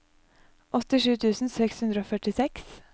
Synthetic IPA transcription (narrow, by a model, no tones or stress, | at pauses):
ʔɔt̪ːɪʂʉːt̪ʰʉːsn̩sɛkshʉnd̪ɾəoːfœʈɪsɛks